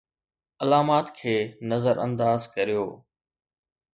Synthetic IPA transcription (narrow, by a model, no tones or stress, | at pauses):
ɐlaːmaːt̪kʰeːnɐzəɾə̰̃nd̪aːzkɐɾijoː